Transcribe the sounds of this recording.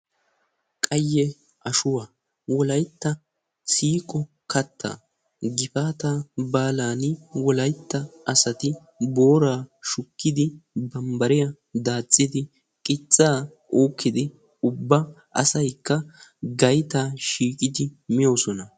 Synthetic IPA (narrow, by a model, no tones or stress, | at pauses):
kʼɐjːɛ | ɐʃʊwaː | wɔlɐjt̪ːɐ | siːkʼɔ | kɐt̪ʰːa̰ | ɡɪfaːt̪aːbaːlaːnɪwɔlɐjt̪ːɐʔɐsɐt̪ɪ | boːɾaːʃʊkːɪd̪ɪbɐmbɐɾɪjɐ | d̪aːt͡sʼːɪd̪ɪ | kʼɪt͡sʼːaː | oːkːɪd̪ɪ | ʊbːɐ | ʔɐ̰sɐjkːɐɡɐjt̪aːʃiːkʼɪd̪ɪmɪjoːsɔnɐ